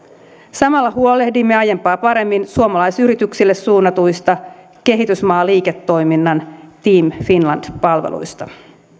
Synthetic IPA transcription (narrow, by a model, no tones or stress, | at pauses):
sɑmɑlːɑhuo̞le̞hdimːe̞ɑje̞mpɑːpɑɾe̞mːinsuomɑlɑjsyɾit̪yksilːesːuːnːɑt̪ujst̪ɑ | ke̞ɦit̪ysmɑːliːke̞t̪ːo̞jminːɑnt̪iːmfinlɑnd̥pɑlʋḛlṵjst̪ɑ